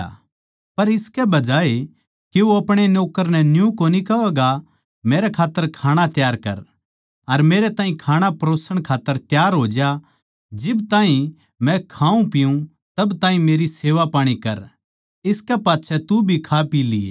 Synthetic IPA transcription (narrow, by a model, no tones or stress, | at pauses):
pɐɾɪskɛbɐd͡ʒaːe | keuɐpɽ̃enoːkəɾnɛnjũkoːnikɐʋɛːɡa | meːɾɛkʰaːt̪ːəɾkʰaːɽ̃at̪jaːɾkɐ̰ɾ | ɐɾmeːɾet̪ãːɦĩkʰaːɽ̃apɾoːsəɽ̃kʰaːt̪ːəɾt̪jaːɾɦoːd͡ʒja | d͡ʒɪbt̪aːɦĩ | mɛ̃kʰaːũpɪjũ | t̪ɐbt̪ãːɦĩmeːɾiseːʋapaːɽ̃ikɐɾ | ɪskɛpaːt̪ːʃʰɛt̪ubʱikʰapiːlḭ